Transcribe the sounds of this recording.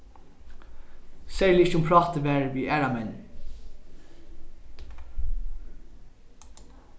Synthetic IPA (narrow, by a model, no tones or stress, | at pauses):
seɪlɪçʊmpʰɹɑːt̪əʋæːɹʋiːʔæːɾɑmɛn